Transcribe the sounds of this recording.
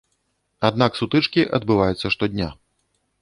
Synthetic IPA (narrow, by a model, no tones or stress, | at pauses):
ad̪naksut̪ɨt͡ʂkʲiʔɐd̪bɨvajut̪sːɐʂt̪ɔd̪ʲnʲa̰